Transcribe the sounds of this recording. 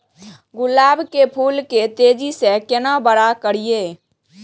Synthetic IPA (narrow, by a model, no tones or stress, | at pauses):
ɡʊlaːbkepʰuːlket̪eːd͡ʒisekenabəɽakəɽijeː